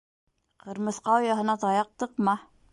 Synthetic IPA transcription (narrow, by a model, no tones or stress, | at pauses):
qʰɤ̆ɾmɤ̆sqɑojɑɦɤ̆nɑt̪ɑjɑq̚t̪ɤqmɑ